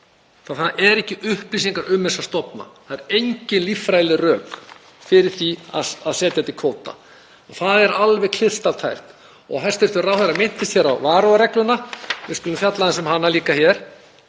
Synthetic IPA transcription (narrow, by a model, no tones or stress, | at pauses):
θaθaðɛɾɛhcɪʔʏhplisiŋkaɾʏmːɛsḁst̪ɔpna̰θaðɛɾejɲcɪnlifɾajlɪrœːk | fɪɾɪɾ̥θia̰ðaðsɛːt̪jat̪ikʰoːwt̪a̰ | ɔɣθaðɛɾalvɛɣkʰlɪð̥st̪av̥t̪ʰajr̥t̪ | ɔ̰ɣɦɛ̥st̪ɪɾ̥t̪ʏrawθaɾamɪn̥t̪ɪst̪jɛɾawvaːɾowaɾɛklʏnːavɪɾskʏlʏmfjat̪laɛnsɛmhanːaliːkaçjɛɾ̥